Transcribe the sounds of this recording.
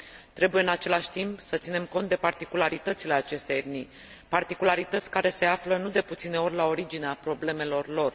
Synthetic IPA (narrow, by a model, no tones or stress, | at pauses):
t̪ɾe̞bujeɨnat͡ʃe̞laʃʲt̪impsət̪sine̞mko̞nt̪̚d̪epart̪ikulaɾit̪ət̪sile̞at͡ʃe̞st̪ejed̪ni | part̪ikulaɾit̪ət̪sʲkaɾe̞se̞aflənud̪e̞put̪sine̞o̞rʲlao̞ɾid͡ʒineapɾo̞ble̞me̞lo̞rlo̞r